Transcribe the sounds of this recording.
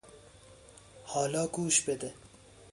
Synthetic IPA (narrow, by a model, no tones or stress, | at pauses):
hɑːlɑːɡuːʃbed̪e